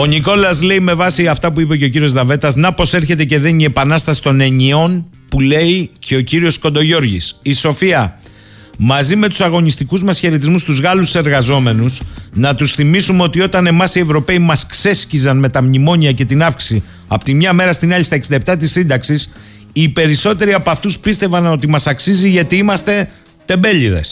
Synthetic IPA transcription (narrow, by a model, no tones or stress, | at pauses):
o̞niko̞lɐsle̞ime̞vɐsiɐft̪ɐpuipe̞ce̞o̞c̬iɾio̞zðɐve̞t̪ɐznɐpo̞se̞ɾçe̞t̪e̞ce̞ðe̞nie̞pɐnɐst̪ɐsi̥t̪o̞ne̞ɲio̞n | pule̞icʰe̞o̞ciɾio̞sko̞nd̪o̞ʝo̞ɾʝḭsiso̞fiɐ | mɐzime̞t̪u̥sɐɣo̞nist̪ikuzmɐsçe̞ɾe̞t̪̬izmust̪uzɣɐluse̞ɾɣɐzo̞me̞nusnɐt̪usθimisumeo̞t̪io̞t̪ɐne̞mɐsie̞vɾo̞pe̞imɐskse̞scizɐnme̞t̪ɐmɲimo̞ɲiɐce̞t̪inɐfksi̥si | ɐpot̪imɲɐme̞ɾɐst̪inɐʎist̪ɐeksind̪ɐep̚t̪ɐt̪̬isind̪ɐksis | iːpe̞ɾiso̞t̪e̞ɾiɐpoɐft̪uspist̪e̞vɐno̞t̪imɐsɐksiziʝɐt̪iimɐst̪e̞ | t̪e̞mbe̞ʎiðe̞̰s